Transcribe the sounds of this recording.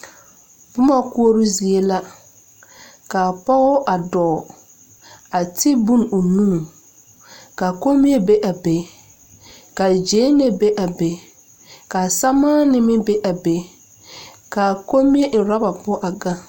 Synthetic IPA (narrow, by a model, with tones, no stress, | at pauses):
bʊ˦ma˦ku˦o˦ɾʊ˦zi˨e˦la˦ | ka˨pɔ˦ɣʊ˦ʔa˨dɔː˨ | a˨tʰɪ˦bu˦˨nu˨nũː˦˨ | ka˨ko˦mi˦e˦be˦ʔa˨be˨˦ | ka˨d͡ʒeː˨˦nɛ˦be˦ʔa˨be˨˦ | ka˨sa˦maː˦nɪ˦mɪ˦be˦ʔa˨be˨˦ | ka˨ko˦mi˦e˦n̩˨ɾa˦ba˨pʊ˦ʔa˨ɡa˦